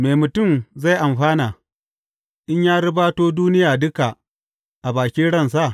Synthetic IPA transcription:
meː˨mʊ˨tʊ˦˨mza˦˨jʔa˨mɸaː˦naː˨ | ʔɪ˦ɲjaː˦ɽɪ˦baː˦toː˦duː˦nɪ˦jaː˨dʊ˦ka˨ | ʔa˨baː˨kʲiː˦ɽɐ˦˨ns̬a˦˨ʔ

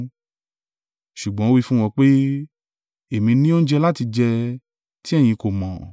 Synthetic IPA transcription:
ʃu˨ɡ͡bɔ̃˨˦o˦wi˦˧fũ˦w̃ɔ̃˧k͡pe˦ | e˨mĩ˧nĩ˦o˦n̩˦d͡ʒɛ˧la˦ti˧d͡ʒɛ˧ | ti˦ɛ˦˨j̃ĩ˧ko˨mɔ̃˨

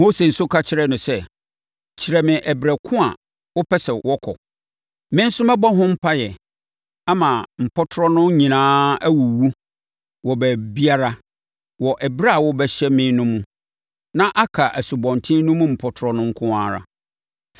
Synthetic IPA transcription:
mo˦se˨n̩˨sʊ˦kʰa˦t͡ɕʰɪ˦ɾɛ˦nʊ̃˨sɛ˦ | t͡ɕʰɪ˨ɾɛ˨mɪ̃˨ʔɛ˨bɾæ˨kʰʊ̃˦a˨ | wɔ˦pʰɛ˦sɛ˨wɔ˦kʰɔ̰˨ | mɪ̃˦n̩˦sʊ˦mɛ̃˦bɔ˦ɦʊ̃˦m̩˦pʰa˦jɛ˨ | a˦mã˨m̩˨pʰɔ˦tʰʊ˦ɾɔ˦nʊ̃˦ɲĩ˨nãː˦æ˦wu˨wu˦ | wɔ˨bæ˨bi˦a˦ɾa˦ | wɔ˨ʔɛ˨bɾa˦a˨wɔ˦bɛ˨ɕɛ˦mɪ̃˦nʊ̃˦mũ˦ | nã˦ʔa˦kʰa˨ʔæ˨su˨bɔ̃˨ntʰɪ̃˦nʊ̃˦mʊ̃˦m̩˨pʰɔ˦tʰɾɔ˦nʊ̃˦ŋ̩˦kʰʊ̃˦aː˦ɾa̰˦

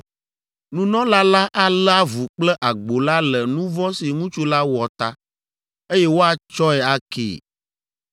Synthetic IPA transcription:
nũ˦nɔ̃˦la˦la˦ʔa˦la˦vu˨k͡plɛ˦ʔa˨ɡ͡bo˨la˦lɛ˨nũ˦vɔ̃˦si˨ŋũ˦t͡ʃu˦la˦wɔ˨t̪a˦ | e˦jɛ˦wo˦a˨t͡ʃɔ˦ɛ˨a˦kḛː˦˨

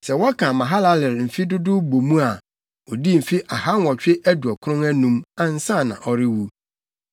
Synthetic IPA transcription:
sɛ˨wɔ˦kʰã˨mã˨ɦa˦la˦lɪ˨ɾm̩˨fi˦dʊ˦dʊ˦bo˨mũ˦a˨ | ɔ˨di˦m̩˨fi˦ʔa˨ha˦n˦wɔ˨t͡ɕᶣɪ˦ʔæ˦du˨ɔ˨kʰɾʊ̃˦ŋæ˦nũ˦ma˦n̩˦sã˦˨nã̰˨ʔɔ˨ɾɪ˦wu˦

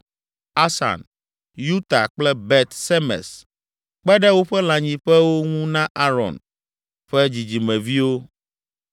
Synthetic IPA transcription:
a˦sa̰˨n | ju˦t̪a̰˨k͡plɛ˦bɛ˦t̪sɛ˦mɛ̰̃˨s | k͡pɛ˦ɖɛ˦wo˦ɸɛ˦la˨ɲĩ˨ɸɛ˦wo˦ŋũ˦nã˦ʔa˦ɾɔ̰̃˨n | ɸɛ˦d͡ʑi˨d͡ʑi˨mɛ̃˨vi˦wo˦

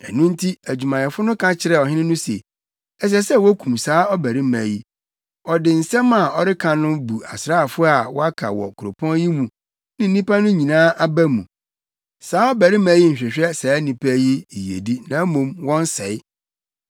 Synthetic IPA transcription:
ɛ̰˨nũ˦n̩˦tʰi˦æ˨d͡ʑᶣu˨mã˨jɛ˨fʊ˦nʊ̃˦kʰã˦t͡ɕʰɪ˨ɾɛ˨ɔ˨ɦɪ̃˦nɪ̃˦nʊ̃˦sḛ˨ | ɛ˨s̬ɛ˦sɛ˦wɔ˦kʰũ˨msaː˨˦ɔ˦bæ˨ɾi˦mæ̃˨ji˦ | ɔ˨dɪ˨n̩˨sɛ̃˦ma˨ɔ˨ɾɪ˦kʰã˨nʊ̃˦bu˨a̰˨sɾaː˦˨fʊ˦a˨wɔ˦a˦kʰa̰˨wɔ̰˨kʰʊ˨ɾo˨pʰɔ̃˦n˦ji˦mũ˨ | nɪ̃˦n̩˦nĩ˦pa˦nʊ̃˦ɲĩ˨nãː˦ʔa˦bæ˦mũ˨ | saː˦ɔ˦bæ˨ɾi˦mæ̃˨˦ji˦ɲ̩˨ɕᶣɛ˨ɕᶣɛ˦sɛː˨˦nĩ˨pʰæ˦ji˦i˨jḛ˨di˦nã˨˦mõ˨mwɔ̃˦n˦sɛ̰˨˦ɪ˦

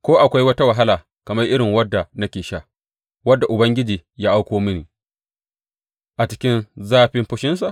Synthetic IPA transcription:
kʷoː˦ʔa˨kʷa˦jwɐ˦ta˦wɐ˨ɦa˦laː˨ | kɐ˨mɐ˦rʔɪ˦ɽɪ˨ŋwɐ˦dːa˨nɐ˦kʲeː˨ʃa˦ | wɐ˦dːa˨ʔʊ˨bɐ˦ŋɡʲɪ˦d͡ʒiː˨jaː˦ʔa˦wkʷoː˦mɪ˦niː˨ | ʔa˨t͡ʃɪ̥˦kʲɪ˦nzaː˦ɸɪ˦mɸʊ˦ʃɪ˦ns̬a˨ʔ

